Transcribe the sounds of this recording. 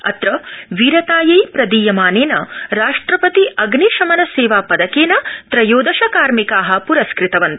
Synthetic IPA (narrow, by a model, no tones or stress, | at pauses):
ɐ̰t̪ɾɐʋiːɾɐt̪aːjɐjpɾɐd̪iːjɐmaːneːnɐ̰ɾaːʂʈɾɐpɐt̪iʔɐɡniʃɐmɐnɐseːʋaːpɐd̪ɐkeːnɐt̪ɾɐjoːd̪ɐʃɐkaːɾmikaːɦɐpuɾɐskɾit̪ɐʋɐnt̪ɐ̥